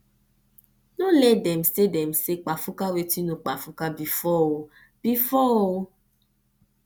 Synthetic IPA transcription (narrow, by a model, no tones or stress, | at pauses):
nõlɛdɛm̩sedɛm̩sek͡pafukawetinũk͡pafukabifɔwo | b̥ifɔo